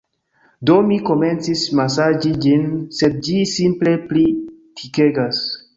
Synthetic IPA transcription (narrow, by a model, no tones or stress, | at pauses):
do̞miko̞me̞nt͡sismasad͡ʒid͡ʒinse̞d̚d͡ʒisimple̞plitʰike̞ɡas